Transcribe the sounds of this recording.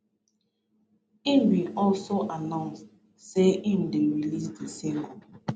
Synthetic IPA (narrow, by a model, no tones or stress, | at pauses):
imwiɔlsoʔanãʊ̃nst | seʔim̩deɹilisdesĩŋɡɔ